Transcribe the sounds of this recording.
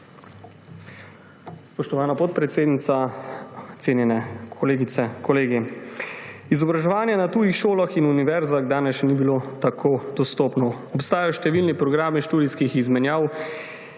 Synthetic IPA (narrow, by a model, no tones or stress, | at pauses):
spɔʃt̪ɔʋaːnapɔt̪̚pɾɛt̪seːd̪nit̪sa | t̪seːnjɛnɛkʰɔleːɡit̪sɛkɔleːɡi | izɔbɾaʒɛʋaːnjɛnat̪uːjixʃoːlaxinuniʋɛɾzaɣd̪aːnɛsʃnibilot̪akʰoːd̪̥ɔst̪oːpnɔɔpst̪aːjaʃt̪ɛʋilnipɾɔɡɾaːmiʃt̪uːd̪iskixizmɛnjaːw